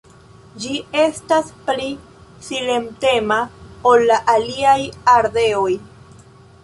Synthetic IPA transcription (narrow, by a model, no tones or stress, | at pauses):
d͡ʒie̞staspli | silemte̞maolːaʔaliajaɾd̪e̞oj